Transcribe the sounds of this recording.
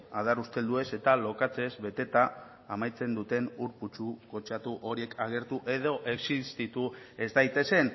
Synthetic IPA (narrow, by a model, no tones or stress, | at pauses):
að̞aɾust̪e̞ld̪ue̞se̞t̪alo̞kat͡se̞zβe̞t̪e̞t̪aː | majt͡se̞nd̪ut̪e̞nuɾput͡ʃuko̞t͡ʃat̪uʔo̞ɾie̞kʰaɣ̞e̞ɾt̪uʔe̞ð̞o̞ʔe̞ksist̪it̪ue̞zd̪ajt̪e̞se̞n